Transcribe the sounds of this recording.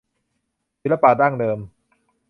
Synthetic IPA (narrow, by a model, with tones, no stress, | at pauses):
si˨˦˥la˧paː˧˩daː˥˩ŋdɤː˧m